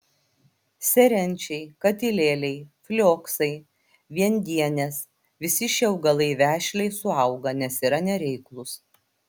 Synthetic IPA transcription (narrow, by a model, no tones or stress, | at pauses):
sʲɛɾʲɛnʲt͡ʃʲɛɪkɐt̪ʲɪlʲeːlʲɛɪfʲlʲoːksɐɪ | ʋʲiɛnʲd̪ʲiɛnʲɛs | ʋʲɪsʲɪʃʲɛʊɡɐlˠɐɪʋʲæːʃʲlʲɛɪsʊɐʊɡɐnʲɛsiːɾɐnʲɛɾʲɛɪklˠʊs